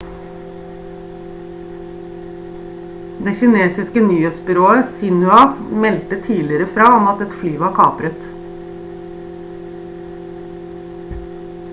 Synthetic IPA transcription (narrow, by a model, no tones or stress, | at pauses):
d̪ɛçɪneːsɪskənyːheːt̪sbʏɾoːəsɪnʉɑmɛlt̪ət̪ʰiːlɪɾəfɾɑːɔmɑt̪ɛt̪flyːʋɑɾkʰɑːpɾət̪